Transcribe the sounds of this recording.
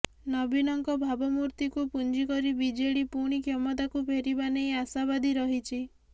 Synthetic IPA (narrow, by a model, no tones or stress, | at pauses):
nɔbinɔŋkɔbʱabɔmuɾt̪ikupund͡ʒikɔɾibid͡ʒeɽipuɽ̃ikʰjɔmɔt̪akupʰeɾibanejasaβad̪ʱiɾɔɦit͡ʃʰi